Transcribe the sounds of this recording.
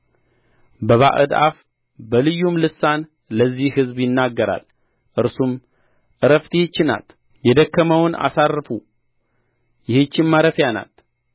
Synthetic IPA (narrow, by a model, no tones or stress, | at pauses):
bəβa̰ʔɨ̰d̪ʔa̰f | bəlɨjːumlɨsːan | ləzːihhɨzbjɪnːaɡːəɾa̰l | ʔɨɾsum | ʔɨɾəft̪ʰihɨt͡ʃːɪna̰t̪ | jɛd̪əkːəməwʊna̰sarːfu | jɪhɨt͡ʃːɪmːaɾəfjana̰t̪